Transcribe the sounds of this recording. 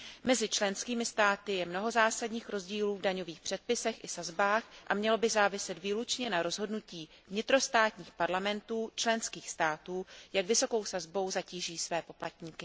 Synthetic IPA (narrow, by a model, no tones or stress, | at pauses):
mɛzɪt͡ʃlɛnskiːmɪst̪aːt̪ɪjɛmno̞ɦo̞zaːsadɲiːxɾo̞zɟiːluːvdaɲo̞viːxpr̥ɛt̪̚pɪsɛxʔɪsazbaːxʔa̰mɲɛlo̞bɪzaːvɪsɛt̪viːlut͡ʃɲɛnaɾo̞zɦo̞dnuciː | vɲɪt̪ɾo̞st̪aːt̪ɲiːxpaɾlamɛnt̪uːt͡ʃlɛnskiːxst̪aːt̪uːjakvɪso̞ko̞wsazbo̞wzaciːʒiːsvɛːpo̞plat̪ɲiːkɪ